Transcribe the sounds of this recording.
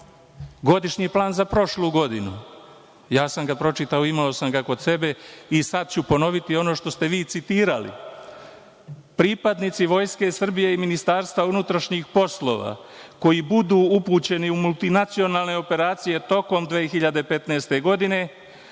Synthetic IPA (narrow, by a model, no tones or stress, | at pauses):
ɡo̞d̪iʃɲiplaːnzapɾo̞ʃluːɡo̞d̪inu | jaːsamɡapɾo̞t͡ʃit̪aoimao̞samɡako̞d̪se̞be̞isad̪t͡ɕupo̞no̞ʋit̪io̞no̞ːʃt̪o̞st̪e̞ʋiːt̪sit̪iːɾalḭ | pɾipad̪nit̪siʋo̞jske̞sr̩bije̞iminist̪aːɾst̪ʋaunut̪ɾaʃɲixpo̞slo̞̰ʋa̰ | ko̞jibud̪uːupuːt͡ɕe̞niumult̪inat̪sio̞naːlˠne̞o̞pe̞ɾaːt̪sije̞t̪o̞ko̞md̪ʋeːxiʎad̪e̞pe̞t̪neːst̪e̞ɡo̞d̪ine̞